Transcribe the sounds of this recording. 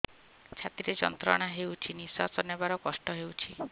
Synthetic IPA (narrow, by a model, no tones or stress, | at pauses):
t͡ʃʰat̪iɾed͡ʒɔ̰nt̪ɾɔɽ̃aɦewt͡ʃʰinisasɔnebaɾɔkɔsʈɔɦewt͡ʃʰi